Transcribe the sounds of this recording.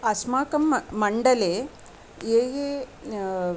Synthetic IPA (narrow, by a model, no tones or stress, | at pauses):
ɐsmaːkɐmːɐɳɖɐleː | eːje